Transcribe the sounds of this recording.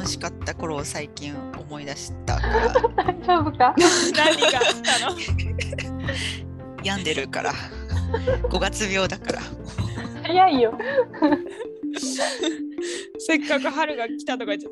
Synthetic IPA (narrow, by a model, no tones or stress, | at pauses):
noɕi̥kat̪ːako̞ɾo̞ːsaikʲĩɰ̃ | o̞mo̞id̪aɕi̥t̪a̰ | sobɯkanãɲʲːiɡaki̥t̪ano | jãnd̪e̞ɾɯ̟ka̰ɾʔa̰ | ɡ̥o̞ɡat͡sɨbʲo̞ːd̪akaɾa̰ | hajaijo | se̞kːakɯ̟ɦaɾɯ̟ɡakʲi̥t̪at̪oɡai